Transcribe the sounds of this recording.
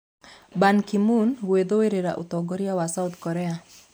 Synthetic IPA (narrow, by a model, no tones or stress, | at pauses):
bankimunwed̪oweɾeɾa̰ʔṵt̪ɔɡɔɾiawasawt̪kɔɾea